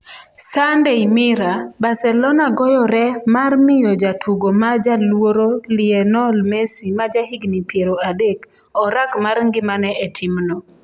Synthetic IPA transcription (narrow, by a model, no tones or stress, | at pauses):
sandeimɪɾabasɛlɔnaɡɔjɔɾɛmarmɪjɔd͡ʒatʰuɡomad͡ʒalwoɾolɪɛnɔlmesimad͡ʒahiɡnipjeɾoadekɔɾakmarŋɡɪmanɛɛtʰɪmnɔ